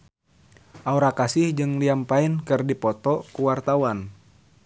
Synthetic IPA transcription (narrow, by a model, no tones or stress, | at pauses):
ʔauɾakasɪhd͡ʒɨŋliampaɪnkɨrdipɔt̪ɔkuwart̪awan